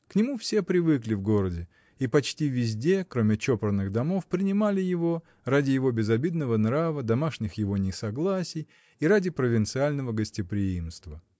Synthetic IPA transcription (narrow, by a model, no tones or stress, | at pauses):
knʲɪmufsʲe̞pɾʲɪvɨklʲɪvɡo̞ɾədʲɪ | ipɐt͡ɕtʲivʲɪzʲdʲe̞kɾo̞mʲɪt͡ɕopɾənːɨɣd̪ɐmo̞fpɾʲɪnʲɪmalʲɪjɪvo̞ | radʲɪjɪvo̞bʲɪzɐbʲid̪nəvənɾavəd̪ɐmaʂnʲɪxjɪvo̞nʲɪsɐɡlˠasʲɪj | iɾadʲɪpɾəvʲɪnt̪sɨalʲnəvəɡəsʲtʲɪpɾʲɪimst̪və